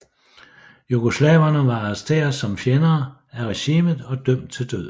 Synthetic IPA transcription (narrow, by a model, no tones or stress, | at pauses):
juɡ̥oslɛ̰ːʊɐnəʋɑ̈ɑʁɐsd̥e̝̰ːɐsɒ̽mfjenɐː | æʁeɕiːməð̩ˠɒ̽d̥œm̰d̥̚t͡sʰe̝ld̥øð̰ˠ